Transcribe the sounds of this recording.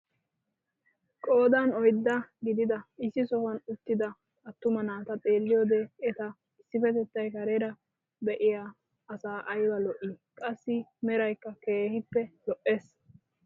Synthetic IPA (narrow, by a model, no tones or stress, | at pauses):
kʼo̞ːd̪ɐnɔjd̪ːɐɡɪd̪ɪd̪ɐɪsːɪsɔhɔnʊt̪ːɪd̪ɐ | ɐt̪ːʊmɐnaːt̪ɐt̪ʼe̞ːlːɪjoːd̪ɛɛt̪ɐ | ɪsːɪfɛt̪ɛt̪ːɐjkɐɾɛɾɐ | bɛʔɪjaː | ɐsaːʔɐjbɐlɔʔikʼɐsːɪmɛɾɐjkːɐke̞ːhɪpːɛlɔʔːeːs